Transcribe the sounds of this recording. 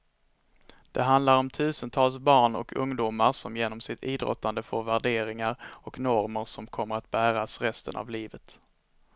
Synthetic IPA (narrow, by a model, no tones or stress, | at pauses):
d̪̥ɛɦand̪laɾɔmt̪ʰʉ̟ːsənt̪ʰɑːlsbɑːɳɔ̰kʰɵŋd̪uːmaɾʂɔmjeːnɔmsɪt̪ʰiːd̪ɾɔ̰t̪ːand̪əfoːɾvæɖeːɾɪŋaɾɔknɔɾməɾʂɔmkʰɔmːəɾat̪̚bæːɾasɾɛst̪ə̰nʔa̰vliːvət̪